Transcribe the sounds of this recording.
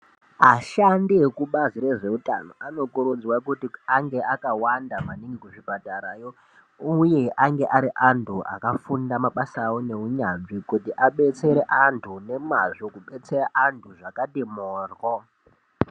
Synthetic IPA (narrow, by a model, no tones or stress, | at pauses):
aʃandiekuɓazire̞ʐe̞uta̰no̞̰ʔano̞kuɾud͡zwakutiaŋɡe̞ʔakawandamaniŋɡikuʐibʱadʱaɾaːjo̞ | uje̞ʔaŋɡeʔaɾiʔantʰuʔa̰kafundamaɓasawone̞ɦuɲanʐikutiʔaɓe̞t͡se̞ɾeʔantʰune̞maʐokuɓe̞t͡se̞raʔantʰuʐakaɗemoːrwo